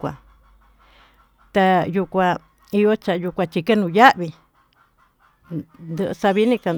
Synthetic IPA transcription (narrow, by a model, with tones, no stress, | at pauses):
kʷa̰˧˨ | t̪a˧ju˧kʷã˧ | i˧jo˦t͡ʃa˨ju˧kʷã˧t͡ʃi˧ke˦nũ˧˨ja˦ʔβi˧ | nd̪ɨ˧ʔsa˧βi˦nĩ˧ka˧